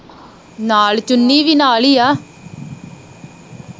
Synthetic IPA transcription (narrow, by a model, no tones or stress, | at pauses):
naːlt͡ʃʊnːiːʋinaːliːjaː